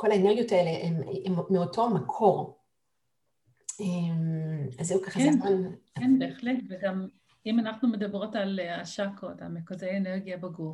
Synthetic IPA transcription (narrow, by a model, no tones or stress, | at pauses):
ko̞laeneɡijotaeleʔemmmeotoamakʰo̞ʁ | emazijukaχakenmankenbeːχletveɡam | imanaχnume̞d̪abʁo̞talaʃakota̰mekozejeneʁɡijabaɡu